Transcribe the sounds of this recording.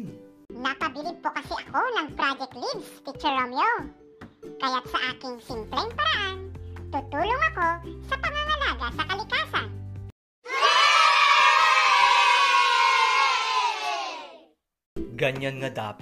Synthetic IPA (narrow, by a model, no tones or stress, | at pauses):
nɐpɐbɪlɪɡ̚pokɐsɪʔɐkonɐŋpɾad͡ʒɛt̪libspɪt͡ʃɛɹomjo | kajat̪̚sɐʔaːkɪŋsɪmplɛŋpɐɾaʔant̪ʊt̪uːloŋɐko̞sɐpɐŋaŋalaːɡasɐkɐlɪkaːsan | ɡɐɲanŋɐd̪a̰ːp